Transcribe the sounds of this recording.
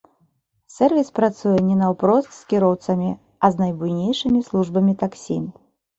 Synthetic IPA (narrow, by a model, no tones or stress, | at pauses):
sʲɛrvʲispɾat̪sujɛnʲɛnɐwpɾɔst̪skʲiɾɔwt̪sɐmʲi | ɐznɐjbujnʲejʂɨmʲislˠuʐbɐmʲit̪aksʲḭ